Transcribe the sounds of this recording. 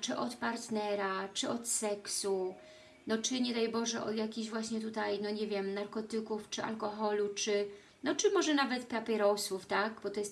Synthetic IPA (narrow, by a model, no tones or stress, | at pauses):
t͡ʂɘʔɔt̪paɾt̪nɛɾat͡ʂɘɔt̪sɛksu | nɔt͡ʂɘɲɛd̪ajbɔʐɛʔɔ̰d̪jakʲiʑvwaɕɲɛt̪ut̪ajnɔɲɛvʲjɛmnaɾkɔt̪ɘkuft͡ʂɘa̰lkɔxɔlut͡ʂɘ | nɔt͡ʂɘmɔʐɛnavɛt̪papʲjɛɾɔswuft̪aɡbɔt̪ɔjɛst̪